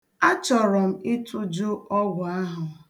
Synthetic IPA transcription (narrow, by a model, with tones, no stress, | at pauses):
a˦t͡ʃɔ˨ɾɔ˨m̩˦ɪ˦tʰʊ˦d͡ʒu˦ɔ˦ɡʷʊ˨a˦ɦʊ˨